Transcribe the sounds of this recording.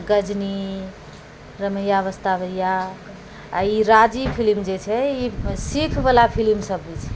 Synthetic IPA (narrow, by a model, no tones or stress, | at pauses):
ɡəd͡ʒni | ɾəməjːaʋəst̪aβəjːa | a̰iɾad͡ʒipʰilmd͡ʒet͡ʃʰɛisikʰbəlapʰilimsəbːit͡ʃʰɛ